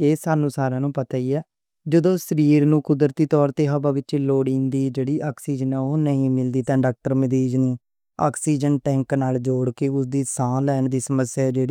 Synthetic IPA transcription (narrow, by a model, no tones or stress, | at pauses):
eːsaːnũːsaːɾãːnũːpət̪aːiːɛː | d͡ʒəd̪õːsəɾiːɾnũːkʊd̪ɾət̪iːt̪ɔːɾt̪eːɦəbaːʋɪt͡ʃːloːɽĩːnd̪iːd͡ʒeːɽiːʔaːksiːd͡ʒənɛːoːnəĩːmɪld̪iːt̪ɛ̃ːɖaːk̚ʈəɾməd̪iːd͡ʒniː | a̰ːksiːd͡ʒənʈɛ̃ːŋknaːld͡ʒoːɽkeʊsd̪iːsãːlɛːnd̪iːsəməsːjaːd͡ʒeːɽ